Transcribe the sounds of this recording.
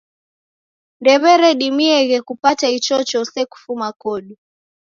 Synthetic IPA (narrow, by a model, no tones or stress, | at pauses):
ndɛβɛɾɛɗimiɛɣɛkupatait͡ʃɔt͡ʃɔsɛku̥fumakɔɗu